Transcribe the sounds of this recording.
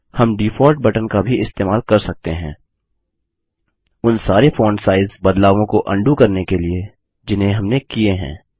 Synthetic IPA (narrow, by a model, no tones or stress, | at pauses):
hɐmɖiːfʰɔːɾʈ̚bɐʈənkabʱiɪst̪eːmaːlkɐɾsɐk̚t̪eɦɛ̰̃ː | ʊnsaːɾefɔːɳɖsaːɪzzbɐd̪laːʋõkoʔɐ̃ɳɖukɐɾnekelie | d͡ʒɪnɦẽɦɐmnekieɦɛ̰̃ː